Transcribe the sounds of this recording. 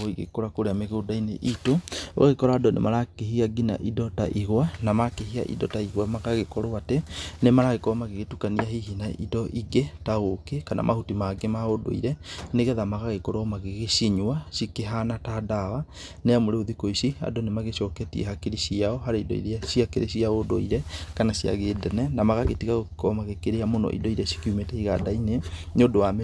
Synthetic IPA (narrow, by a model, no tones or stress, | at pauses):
oiɣḛkoɾakoɾeameɣodainḛʔitoo̰ɣaɣekɔɾadɔnḛmaɾakeɦiaɡina̰ʔidɔtaʔiɣwanamakeɦia̰ʔḭdɔtaiɣwamakaɣekɔɾɔatɛnemaɾaɣekɔɔmaɣeɣetukaniaɦiɦinaʔḭdɔʔiɡɛtaɣokekana̰mʔa̰hutimaɡemaodo̰ḭɾɛneɣɛðamaɣaɣekoɾɔmaɣeɣeʃiɲuaʃikeɦanatadawa | neamoɾeoðikoisia̰donemaɣeʃɔkɛtiɛ̰hakeɾiʃiaɔɦaɾeidɔ̰ḭɾeasiakeɾʔḛɕiaodo̰iɾɛkanasia̰ɣeːdɛnɛnamaɣaɣetiɣaɣokkɔmaɣekeɾeamonɔ̰ʔḭdɔiɾɛʃi̥kiumetɛiɣadainenodowam